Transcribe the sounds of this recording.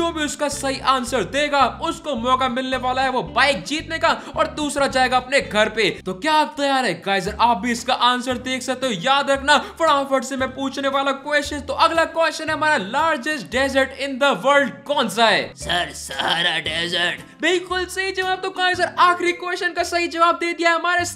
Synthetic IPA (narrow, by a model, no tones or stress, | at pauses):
d͡ʒoːbʱiʊskasɐɦiʔãːnsəɾd̪eːɡaʊskomɔːkamɪlneʋaːlaɦɛʋobaːɪk̚d͡ʒiːt̪neka | ɔːɾd̪uːsɾad͡ʒaːeɡaɐpneɡʱɐɾpet̪okjaːt̪ɐjaːɾɦɛkaːɪzəɾʔaːpb̚bʱiʊskaʔaːnsəɾd̪eːkʰsɐk̚t̪eɦojaːd̪ɾɐkʰnafɐɽãːfəʈsemɛ̃puːt͡ʃneʋaːlakweːsʃə̃nt̪oʔɐɡlakwʋɛːsʃənɦɛɦɐmaːɾalaːɾd͡ʒɪsʈ̚ɖɛːzəɾʈɪ̃nd̪əʋəɾɖkɔːnsaɦɛ̰ːsɐɾsaːɾaɖeːzəɾʈ | bɪlkʊlsɐɦid͡ʒɐʋaːb̚t̪okãːɪzəɾaːxɾikʋeːʃənkasɐɦid͡ʒɐʋaːb̚d̪eːd̪ijaɦɛɦɐmaːɾes